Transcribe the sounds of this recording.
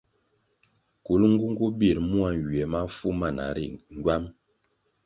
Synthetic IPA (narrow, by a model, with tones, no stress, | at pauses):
ku˨˦lŋ̩˦ɡu˦ŋ˦ɡu˦bi˦˨ɾmu˦a˨n˨wɥɛ˨ma˦fu˦ma˦˨na̰˨ɾḭ˦˨ŋ˨ɡɥwa˦m